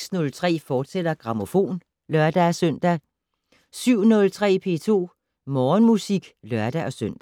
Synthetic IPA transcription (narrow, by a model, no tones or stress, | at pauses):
snɔ̽lt͡sʰʁɛ̰ːfɒ̥ːsed̥ɐɡ̥ʁɑ̈mo̝fo̝̰ːn | lɶɐd̥æsœn̰d̥æ | syʊ̰nɔ̽lt͡sʰʁɛ̰ːpʰe̝ːt͡sʰo̝̰ː | mɒːnmusiɡ̥lɶɐd̥æʔɒ̽søn̰d̥